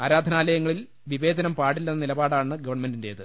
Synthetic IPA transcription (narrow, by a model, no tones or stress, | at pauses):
aːɾaːd̪ʱɐnaːlɐjɐŋːɐɭil | ʋibe̞ːd͡ʑɐnɐmpaːɽilːɐnːnilɐbaːɽaːɳɨɡɐʋɐrɳɐme̞ndinde̞ːðɨ